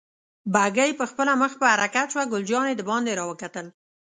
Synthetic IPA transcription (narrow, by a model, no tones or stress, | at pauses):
baɡajpəxpəlaməxpəhaɾakat̪ʃwaɡʊld͡ʒɑned̪əbɑnd̪eɾɑwəkat̪əl